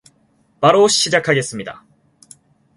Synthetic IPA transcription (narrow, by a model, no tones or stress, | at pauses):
baɾoɕid͡ʑakʰaɡe̞s͈ɨmʲid̪a̰